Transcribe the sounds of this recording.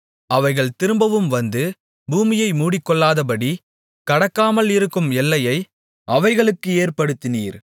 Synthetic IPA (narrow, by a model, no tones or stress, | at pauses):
ʔɐʋɐɪɣɐɭt̪ɪɾɯmbɐʋɯmʋɐnd̪ɯ | buːmɪjɐɪmuːɽɪkːɔɭːaːðɐpɐɽi | kɐɽɐkːaːmɐlɪɾɯkːɯmɛlːɐjɐɪ | ʔɐʋɐɪɣɐɭɯkːɯeːrpɐɽɯt̪ːɪnḭːɾ